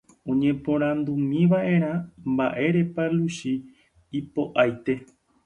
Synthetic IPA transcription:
õɲẽ̞põ̞ɾ̃ãnd̪umĩʋaʔe̞ɾ̃ãmba̰ʔe̞ɾe̞paluʃiː | po̞ʔajt̪e̞

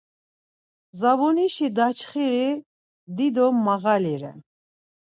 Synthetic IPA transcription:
zavɔniʃid̪at͡ʃʰχiɾi | d̪id̪ɔmːaɣaliɾɛ̰n

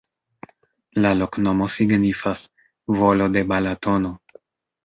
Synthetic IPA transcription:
lalo̞knomo̞siɡnifas | vo̞lo̞de̞balato̞no̞

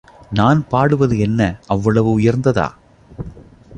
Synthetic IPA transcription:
naːnpaːɽɯʋɐðɯɛnːɐʔɐʋːɐɭɐʋɯʊjɐɾnd̪ɐða̰ː

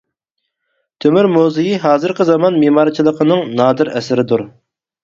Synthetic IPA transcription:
t̪ʰømyɾmozɪjiɦɑːzɨɾqəzɑmɑnmemɑːɾɨt͡ʃʰilˠəqʰənɨŋnɑːd̪ɨɾɛ̰sɪɾɪd̪uɾ

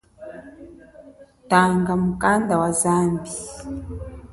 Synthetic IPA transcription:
taŋɡamukandawazambi

